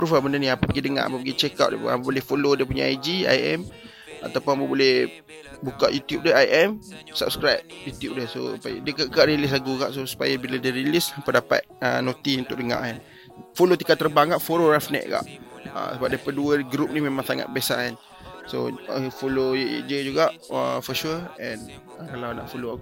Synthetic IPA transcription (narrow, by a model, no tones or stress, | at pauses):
pɾufalbəndəniapapəɡidəŋã̰ʔa̰papəɡit͡ʃɛka̰ʔdiəpapabolɛhfolodiəp̬uɲa̰ad͡ʒia̰jɛ̰m | a̰t̪awpʊnapəbolɛh | buka̰ʔjut̪jup̚dəajʔɛmsa̰p̚skɾap̚jut̪jup̚dəso̰pajdəkaʔkaʔɾilɪs̬laɡuka̰ʔsosu̥pa̰jabiladəɾilispədapa̰t̪̚ənot̪iunt̪ʊk̚ʔdəŋã̰ʔan | folot̪ikat̪ːərbaŋkaʔfoɾoɾafnɛ̰ʔ̪̚ka̰ʔə̰səbap̚daipanduəɡɾup̚nimemãŋsaŋa̰t̪̚besa̰an | so̰əfolojḛd͡ʒəd͡ʒuɡaʔəfɔʃuəɛn | əkalawnaʔfoloaɡu